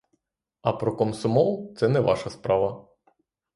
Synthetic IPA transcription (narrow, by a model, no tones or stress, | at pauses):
ɐpɾɔkɔmsɔmɔlˠt̪sɛnɛʋɑ̰ʃɐspɾɑʋɐ